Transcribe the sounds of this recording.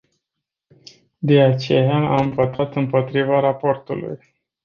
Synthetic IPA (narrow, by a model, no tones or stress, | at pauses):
d̪e̞at͡ʃe̞jaamvo̞t̪at̪ɨmpo̞t̪ɾivaɾapo̞rt̪ṵlṵj